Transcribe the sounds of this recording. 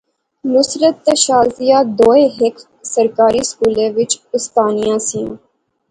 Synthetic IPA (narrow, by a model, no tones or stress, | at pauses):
nʊsɾət̪ːəʃaːzɪjaːd̪oːẽːɦɪkʰf | səɾkaːɾiːskuːlẽːʋɪt͡ʃʊst̪aːnijãːsijã̰ː